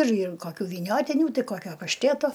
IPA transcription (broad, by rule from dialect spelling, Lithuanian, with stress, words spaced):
ɪr ɪr ˈkoːkʲuː ʋʲiːˈnʲoːtʲiːnʲʊ ˈtɐɪ ˈkoːkʲoː pɐʃʲˈtʲeːtoː